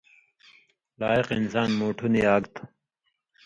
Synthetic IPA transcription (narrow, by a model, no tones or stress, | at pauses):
laːiqinsaːnmoːʈʰuniaːɡt̪ʰ